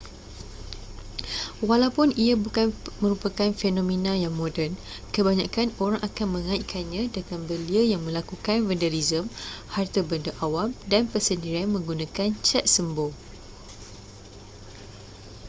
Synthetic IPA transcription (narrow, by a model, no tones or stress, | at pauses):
walawpʊniabukanmə̃ɾupakanfenõmẽnãjaŋmõdɛn | kəbaɲãkanoɾaŋʔakanmə̃ŋãiʔkʰanɲãdəŋanbəliəjaŋmə̃lakukanvəndəɾizəmhart̪abəndaʔawamdanpəsəndiɾianmə̃ŋɡunãkant͡ʃɛt̪̚səmbo